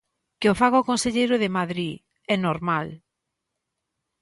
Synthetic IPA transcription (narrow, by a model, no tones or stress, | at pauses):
kɪofaɣɔkonseʎejɾʊðɪmaðɾi | ɛnoɾmal